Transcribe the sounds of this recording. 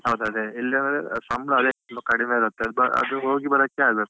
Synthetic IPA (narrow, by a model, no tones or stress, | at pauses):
ɦɐwd̪uɐd̪eilːiɐnelesɐmlɐɐd̪enːukɐɽimeiɾut̪ːeɐbɐɐ̰d̪uɦoːɡibɐɾɐkːeaːɡbɐt̪ːe